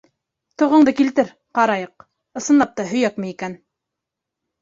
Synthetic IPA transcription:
t̪ŏʁɤ̆ɴd̪ɤkilt̪ɘɾ | qɑɾɑjɤq | ɤ̆sɤ̆nlˠɑp̚t̪ɑɦɵ̆jækmɘikæn

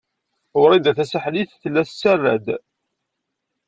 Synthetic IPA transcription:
ʊɾˤid̪æθæsəħliθθəlːæst͡sːærːæ̰d̪

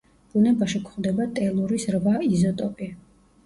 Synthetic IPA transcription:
b̥unɛbaʃikʰχd̪ɛbat̪ʼɛlˠuɾisɾvaizɔt̪ʼɔpʼi

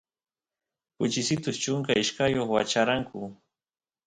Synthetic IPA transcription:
pʊt͡ʃɪsɪt̪ʊst͡ʃʊŋkaɪʃkajoχwat͡ʃaɾaŋkʰʊ

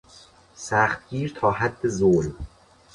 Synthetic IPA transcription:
sæːxt̪̚ɡ̥iːɾt̪ʰɒːɦæd̪ːezoːl

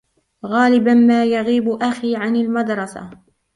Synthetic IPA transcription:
ɣaːlɪbanmaːjaɣiːbʔaxiːʕanalmad̪ɾˤɑsa̰

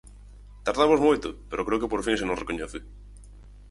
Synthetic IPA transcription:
t̪aɾðamozmojt̪ʊpeɾokɾeʊkɪpoɾfiŋsenõŋrekoɲɛθɪ

